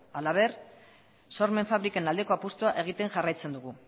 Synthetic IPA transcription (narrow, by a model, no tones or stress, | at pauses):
alaβ̞e̞r | so̞ɾme̞ɱfaβɾikanald̪eko̞apust̪uaʔe̞ɣ̞it̪e̞ŋʝarajt͡se̞nd̪uɣ̞u